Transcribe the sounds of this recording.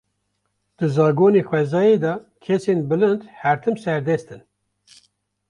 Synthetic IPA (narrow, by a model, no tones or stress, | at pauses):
d̪̥ɨzɑːɡoːneːxwɛzɑːjed̪ɑ | kʰɛsenbɨlɨnd̪hæɾt̪ʰɨmsɛɾd̪ɛst̪ɨn